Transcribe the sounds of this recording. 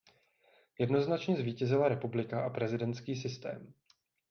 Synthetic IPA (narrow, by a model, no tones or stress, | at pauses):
jɛdno̞znat͡ʃɲɛzviːcɛzɪlaɾɛpublɪkaʔapɾɛzɪdɛnt̪skiːsɪst̪ɛ̰ːm